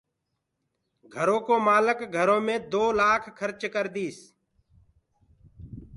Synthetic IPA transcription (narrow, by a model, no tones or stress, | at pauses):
ɡʱəɾõːkoːmaːləkɡʱəɾõːmẽːd̪oːlaːkʰkʰːəɾt͡ʃkəɾd̪iːs